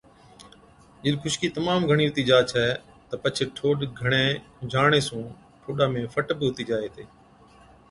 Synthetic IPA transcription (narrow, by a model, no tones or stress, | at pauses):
d͡ʒɪɗkʰʊʃkiːt̪əmaːmɡʱəɽ̃iːɦʊt̪iːd͡ʒaːt͡ʃʰɛː | t̪əpət͡ʃʰeʈʰoːɗɡʱəɽ̃eːd͡ʒʱaːɽ̃eːsũː | ʈʰoːɗaːmẽːfəʈbɪɦʊt̪iːd͡ʒaːeːt̪ʰeː